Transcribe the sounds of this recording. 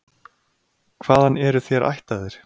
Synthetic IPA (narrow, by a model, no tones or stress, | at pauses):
kʰv̥aːðhanɛɾʏθjɛɾʔa̰jht̪aðɪɾ̥